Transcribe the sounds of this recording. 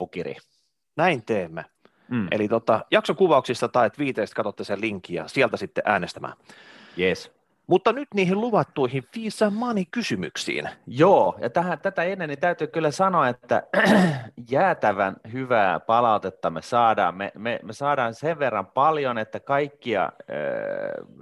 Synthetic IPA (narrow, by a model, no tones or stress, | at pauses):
ukirḭ | næint̪eːmːæ | ʔḛlit̪ot̪ːɑjɑksokuʋɑuksist̪ɑt̪ɑiet̪ʋiːt̪eˑːst̪kɑt̪ot̪ːeseliŋkːijɑ̰siælt̪æsit̪ːeʔæːnest̪æmæ̰ː | jes | mut̪ːɑnyt̪niːhiluʋɑt̪ːuihiʋfiːsːæmmɑnikysymy̰ksḭːnjoːjɑ̰t̪æhæt̪æt̪æenːenːint̪æyt̪yːkylːæsɑnoɑet̪ːæ̰ | jæːt̪æʋænhyʋæːpɑlɑut̪et̪ːɑmesɑːdɑ̰ːmmḛmemesɑːdɑːnseʋʋerːɑmpɑljonet̪ːækɑikːiɑ̰ø̰